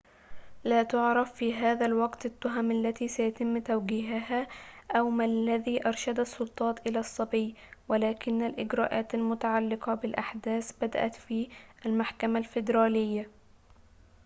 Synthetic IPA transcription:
laːt̪ʊʕɾˤɑfːiːɦaːðælwɑɡt̪ɪt̪ːʊɦamʔalːæt̪iːsæjæt̪ɪmːt̪awɡiːɦaɦaːʔæwmalːæðiːʔɑɾˤʃad̪asˤːʊlt̪ˤɑːt̪ʔɪlæːsˤːɑbiːwalaːkɪnːalʔɪɡɾaːʔaːt̪almʊt̪aʕalːɪqɑbɪlʔaħd̪æːsbad̪a̰ʔæ̰t̪fiːʔalmaħkamalfɪd̪ɾɑːlɪjːa

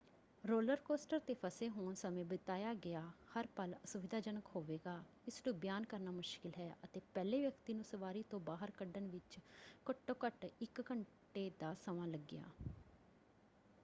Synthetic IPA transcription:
ɾoːləɾkoːsʈəɾt̪eːpʰəseːɦoːnsəmẽːbət̪aːjaːɡɪjaːhəɾpələsʊʋɪd̪ʱaːd͡ʒənəkɦoːʋeːɡaː | ɪsnõːbjaːnkəɾnaːmʊʃkɪlɦɛːʔət̪eːpɛːleːʋjəkt̪iːnũːsəʋaːɾiːt̪õːbaːɦəɾkəɖənʋɪt͡ʃkəʈːõːkəʈɪkːəɳ | ʈeːd̪aːsəʋãːləɡːɪja̰ː

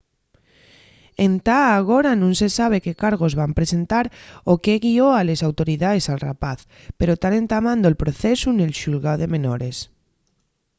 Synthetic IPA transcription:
ent̪aːɣ̞oɾanũnsesaβ̞ekekaɾɣ̞ozβampɾese̞nt̪aɾokeɣioalesawt̪oɾiðaðesalrapaθ | peɾot̪aɾẽnt̪amãnd̪oelpɾoθesune̞lʃulɣawðemẽnoɾes

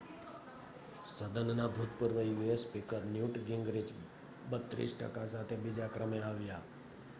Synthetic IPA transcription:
səd̪ənnabʱut̪puɾʋəjuespikəɾnjuʈɡɪŋɡɾid͡ʒ | bət̪ɾḭsʈə̰kasat̪ʰebid͡ʒakɾəmeaʋja

